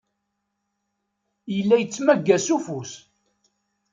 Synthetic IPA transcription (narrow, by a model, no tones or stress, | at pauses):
jəlːæjət͡sːmæɡːæsufus